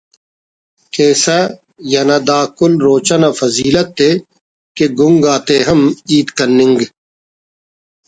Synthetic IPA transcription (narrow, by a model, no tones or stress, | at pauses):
keːsa | jɐnad̪aːkʊlɾoːt͡ʃanafɐziːlət̪ːe | keɡʊŋɡaːt̪eːɦɐmiːt̪kɐnːɪ̃ŋɡ